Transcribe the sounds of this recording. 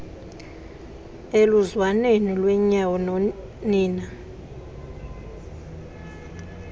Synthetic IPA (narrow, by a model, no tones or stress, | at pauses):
eluzwanenilwɛɲawɔnɔ | niːna